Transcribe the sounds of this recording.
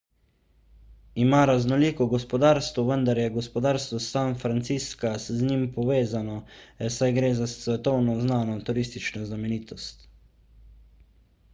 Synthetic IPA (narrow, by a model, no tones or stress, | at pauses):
imaɾaznɔliːkɔɡɔspɔd̪aːɾst̪ʋɔʋənd̪aɾjɛɡɔspɔd̪aːɾst̪ʋɔsanfɾant̪siskazznimpɔʋeːzanɔɛsajɡɾeːzassʋɛt̪ɔwnɔznaːnɔt̪uɾiːst̪it͡ʃnɔznamɛniːt̪ɔst̪